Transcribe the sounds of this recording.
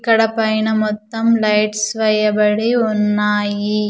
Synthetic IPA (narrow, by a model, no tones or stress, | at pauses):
kːɐɽɐpːɐjnɐmɔt̪ːɐmlɐɪʈsʋɐjɐbɐɽiʊnːaːji